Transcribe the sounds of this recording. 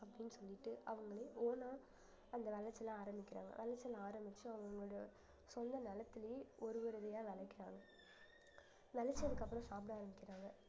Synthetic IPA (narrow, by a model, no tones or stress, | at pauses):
ɐpːɐɽɪnːɯsɔlːɪʈːɯɐʋɐŋɡɐɭeːoːnãː | ɐnd̪ɐʋɛɭɐt͡ʃːɐlãaːɾɐmbɪkʲːɪɾa̰ːŋɡɐ̰ʋɛlɐt͡ʃːɐlãaːɾɐmbɪt͡ʃːɯɐʋɐŋɡɐɭɽjɐ | sɔnd̪ɐnɐlɐt̪ːɪljeɔɾɯʋɐɾɯðɐjaːʋɛlɐkːɪɾaːŋɡɐ | ʋɛlɐt͡ʃːɐnɯkːɐpːɐɾʊ̃ːsaːp̬ɪɽaːɾɐmbɪkːɪɾaːŋɡɐ